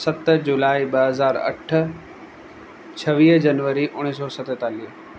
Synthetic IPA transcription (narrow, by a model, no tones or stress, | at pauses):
sɐt̪d͡ʑulaːiɓɐɦɐzaːɾɐ̰ʈ̆ʰ | t͡ɕʰɐʋiːɦd͡ʑɐnʋəɾiʔʊɽ̃isɔːsɐt̪ət̪aːliːɦ